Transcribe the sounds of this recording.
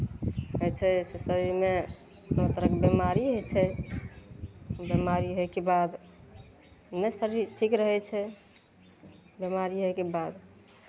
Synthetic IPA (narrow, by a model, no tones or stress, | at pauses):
ɦəjt͡ʃʰɛsesəɾiɾme | not̪əɾəkbemaɾiɦojt͡ʃʰɛ | bjemaɾiɦokebad̪ | nəsəɾiʈʰikɾəɦɛt͡ʃʰɛ | bjemaɾiɦojkebad̪